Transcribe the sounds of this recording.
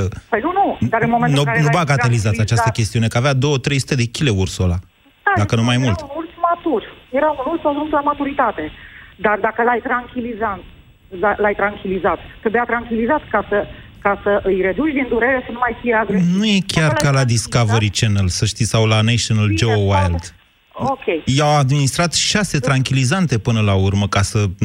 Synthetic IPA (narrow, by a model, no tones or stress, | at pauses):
əpəjnunud̪aɾɨnmomenunubaɡat̪elizat̪at͡ʃastt̪əkʲe̞st̪iune̞kəavead̪o̞wət̪ɾe̞jsut̪e̞d̪e̞kʲile̞ursola | ad̪akənumajmult̪unult̪smat̪urjeɾaunult̪saʒunslamat̪uɾit̪at̪e̞d̪ard̪akəlajt̪ɾaŋkʲilizant̪ | lalajt̪ɾaŋkʲilizat̪ːɾebejat̪ɾaŋkʲilizat̪kasə | kasəʔɨjre̞d̪ut͡ʃʲd̪ind̪uɾe̞ɾe̞sənumajfijeaɡɾenujekʲarkalad̪iskaveɾit͡ʃenəlsəʃt̪isawlanaʃonald͡ʒeowajld̪ | okʲejjawad̪minist̪ɾat̪ʃase̞t̪ɾaŋkʲilizant̪e̞pɨnəlaurməkasə